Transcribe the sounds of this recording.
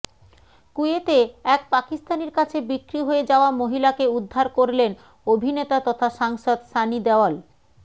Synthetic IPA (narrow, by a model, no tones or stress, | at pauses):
kuet̪eɛk̚pakist̪aneɾkat͡ɕʰebikɾiɦoed͡ʑaoamoɦilakeud̪ʱːaɾkoɾlen | obʱinet̪at̪ɔt̪ʰaʃaŋʃod̪ʃanid̪ɛoal